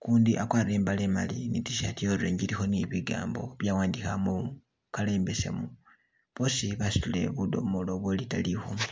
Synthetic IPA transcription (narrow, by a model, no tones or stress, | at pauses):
kuːndiʔakwaːriɾeːmbalema̰linitiʃatioɾuleːɲɟiɾixo̞niβiɡa̰ːmbo̞βjawaːndixamu | kale̞ːmbe̞se̞̰mu | βo̞siβasi̥tule̞̰βudo̞̰molo̞βwolita̰lixo